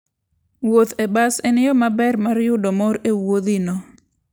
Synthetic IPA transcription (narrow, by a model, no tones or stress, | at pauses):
wot̪ɛbasenɪjɔmabɛrmaɾjʊdɔmɔɾewod̪inɔ